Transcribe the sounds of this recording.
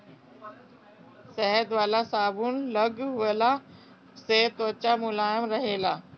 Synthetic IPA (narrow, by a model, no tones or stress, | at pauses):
sɛɦəd̪ʋaːlasaːbunlɐɡɦʊʋəla | seːt̪ot͡ɕamʊlaːjɪmɾɐɦelaː